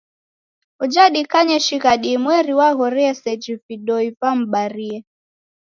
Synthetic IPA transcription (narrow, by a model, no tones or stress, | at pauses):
ud͡ʒaɗikaɲɛʃiɣaɗimwɛɾiwaɣɔɾɛɛsɛd͡ʒifiɗɔivam̩ɓaɾiɛ